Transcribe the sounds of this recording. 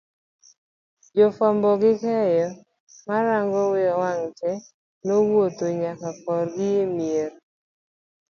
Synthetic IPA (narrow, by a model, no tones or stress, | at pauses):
d͡ʒɔfɔmbɔɡɪkɛjɔ | maɾaŋɡɔwɪjɔwaŋt͡ʃɛ | nowot̪oɲakafɔɾɡɪemjeɾ